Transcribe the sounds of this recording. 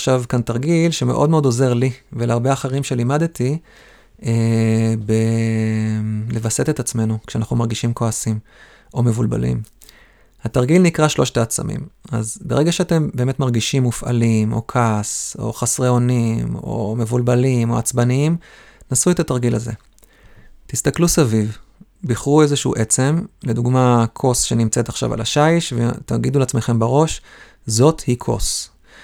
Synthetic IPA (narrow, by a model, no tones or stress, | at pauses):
ʃavkantaʁɡilʃeme̞ʔo̞dmeo̞do̞ze̞ʁliveleaʁbe̞aχeʁimʃe̞limadet̪i | ebe | le̞vase̞t̪et̪at͡sme̞nukʃeanaχnumaʁɡiʃimkoasim | ʔo̞me̞vulba̰lḭm | hataʁɡilnikʁaʃlo̞ʃt̪aːt͡sa̰mḭma̰zbe̞ʁeɡaʃeate̞mbe̞ːme̞tmaʁɡiʃimːufʔa̰limo̞̰kʰaso̞̰χasʁeo̞nimo̞̰me̞vulbalimo̞at͡sbaniimnasuet̪at̪aʁɡilaze̞̰ | t̪ist̪aklusaviv | biχʁue̞zeʃuṵʔe̞t͡se̞mleduɡmakʰo̞sʃe̞nimt͡se̞t̪aχʃa̰va̰laʃaiʃvḛt̪aɡiduleat͡sme̞χe̞mbaʁo̞ʃ | zo̞t̪hikʰo̞̰s